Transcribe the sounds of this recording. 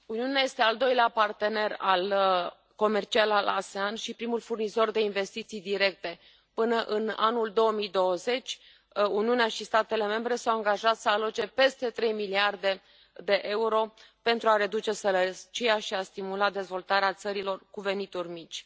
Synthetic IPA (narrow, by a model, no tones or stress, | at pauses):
uniuneaje̞st̪e̞ald̪o̞jleapart̪e̞ne̞ral | ko̞me̞rt͡ʃialalʔaseanʃipɾimulfurnizo̞rd̪e̞inve̞st̪it̪sijd̪iɾe̞k̚t̪e̞ | pɨnəʔɨna̰nuld̪o̞əmijd̪o̞wəze̞t͡ʃʲ | uniuneaʃist̪at̪e̞le̞me̞mbɾe̞sawaŋɡaʒat̪səalot͡ʃe̞pe̞st̪e̞t̪ɾe̞jmiliard̪e̞ | d̪e̞ʔe̞uɾo̞pe̞nt̪ɾuaɾe̞d̪ut͡ʃe̞səɾət͡ʃijaʃiast̪imulad̪e̞zvo̞lt̪aɾeat̪səɾilo̞rkuve̞nit̪urmit͡ʃʲ